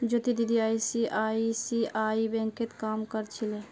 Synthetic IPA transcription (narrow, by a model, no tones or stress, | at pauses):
d͡ʒot̪id̪id̪iaisiʔaisiaibɛ̃ŋket̪kamkəɾt͡ʃʰile